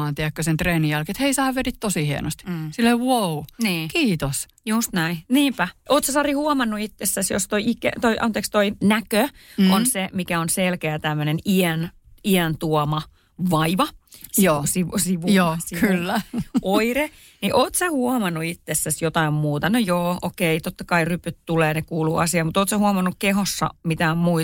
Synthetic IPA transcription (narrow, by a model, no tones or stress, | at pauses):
ɑːnt̪iækːøsent̪reːnijælkiet̪heisɑːʋʋetit̪t̪osihiæ̰nost̪ːsilːeiwouniːkiːt̪os | just̪næiniːmpæʔoːt̪sɑsɑrihuɔmɑnːuit̪ːesːæsjo̰st̪oiʔikːḛt̪oiʔɑ̰nt̪eːˑkst̪oinækøonsemikæonselkeæt̪æmːøneniɛn | iænt̪uɔmɑ | ʋɑiʋɑ | sisiʋusiʋuosiylːæoire | niʔoːt̪sæhuɑmɑnːuit̪ːesːæsjot̪ɑimmuːt̪ɑnojoːokeit̪ot̪ːɑkɑirypyt̪t̪uleːnekuːluːɑ̰siɑmut̪oːt̪sæhuɑmɑnːukkeɦosːɑ̰mit̪æommui